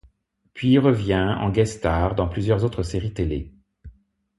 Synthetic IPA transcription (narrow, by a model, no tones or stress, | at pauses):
pɥiʁəvjɛ̃ɑ̰̃ɡɛst̪aʁd̪ɑ̃plyzjœʁzot̪χəseʁit̪ele